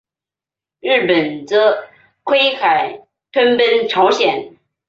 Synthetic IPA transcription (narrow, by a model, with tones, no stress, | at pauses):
ɻɻ̩˥˩pə˨˩nt͡sə˥ | kʰwe˥ɪxa˨˩ɪ | t̪ʰwə˥npə˥nʈ͡ʂʰɑ˧˥ʊɕjɛ˨˩˦n